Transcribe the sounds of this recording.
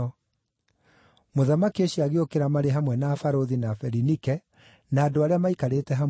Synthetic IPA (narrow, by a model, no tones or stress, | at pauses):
moðamakioɕiaɣeokeɾamaɾeɦamwɛnafaɾoðinafɛɾinikɛ | naːdoaɾeamaikaɾetɛɦa